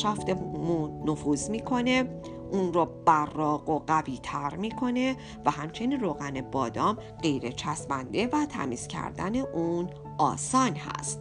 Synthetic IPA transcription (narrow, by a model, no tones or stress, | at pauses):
ʃæft̪emunofuːzmiːkʰo̞ne̞ | ʔuːnrɔːb̥ærːɒːɢoɢæviːt̪ʰæɾmiːkʰo̞ne̞ | væɦæmt͡ʃʰe̞niːnroːɣænebɒːd̪ɒːm | ɢe̞jɾet͡ʃʰæsbænd̪e̞væt̪ʰæ̰miːscʰæ̰ɾd̪æ̰ne̞ʔun | ɒ̰ːsɒːnhæ̰st̪